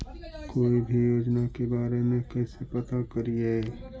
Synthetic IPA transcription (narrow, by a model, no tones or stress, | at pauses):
koːibʱijoːd͡ʒnakebaːɾemẽkɛːsepət̪akəɾiaɛ